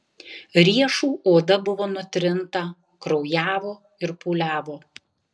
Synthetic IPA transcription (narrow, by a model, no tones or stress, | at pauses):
ɾʲiɛʃuːʔoːd̪ɐbʊʋoːnʊt̪ʲɾʲɪnt̪ɐ | kɾɔʊjæːʋoː | ɪɾpuːlʲæːʋoː